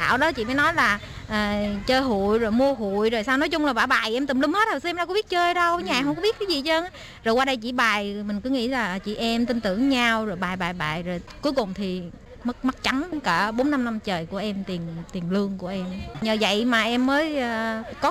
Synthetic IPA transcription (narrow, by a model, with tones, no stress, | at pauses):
a̰ː˧˨wɗɔ˨˦t͡ɕḭ˧˨maː˨˦nɔ˨˦jlaː˨˩ | ʔəː˨˩t͡ɕəː˧jɦṵ˧˨jzoː˨˩jmu˧əɦu˧˨jzo˨˩jsaː˧wnɔ˨˦jt͡ɕʊ˧ŋ͡mlaː˨˩ɓaː˧˩ɓaː˨˩jʔɛ˧mt̪ï˨˩mlï˧mhe˦˥t̚hsmzaː˧kɓi˦˥t̚t͡ɕəː˧jɗə˧wɲ˧˨˧ɦə˧wŋ͡mkɔ˧˥ɓi˦˥ət̚kːaː˨˦zi˨˩t͡ɕəː˧n˨˦ | zo˨˩jwaː˧ɗə˧jt͡ɕḭ˧˥ɓaː˨˩jmï˨˩ŋ̟kɨ˨˦ŋḭ˧˥laː˨˩˨t͡ɕḭ˧˨ʔɛ˧mt̪ï˧nt̪ɨ˧˩əŋɲa˧wzo˨˩jɓaː˨˩jɓaː˨˩jɓa̰ː˨˩jzoː˨˩jku˨˦jkʊ˨˩ŋ͡mt̪ʰi˨˩ | mə˦˥k̚m˦˥k̚t͡ɕa˨˦nkəː˧˩ɓo˨˦nːa˧mna˧mt͡ɕəː˨˩jku˧˩əʔɛ˧mt̪i˨˩ənt̪i˨˩əŋlɨ˧əŋku˧˩əʔɛ˧mɲəː˨˩və̰˧˨jmaː˨˩ʔɛ˧mːəː˨˦jə˨˩kɔ˨˦